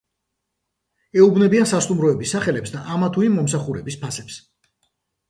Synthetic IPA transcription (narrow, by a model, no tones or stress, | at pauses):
ɛubnɛbiansast̪ʼumɾɔɛbisːaχɛlɛpsd̪aʔamat̪ʰuimːɔmsaχuɾɛbispʰasɛps